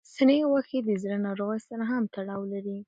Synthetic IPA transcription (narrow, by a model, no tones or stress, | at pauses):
sənewaxed̪əzɾanaɾoɣasanaɦamt̪aɽɑwlaɾi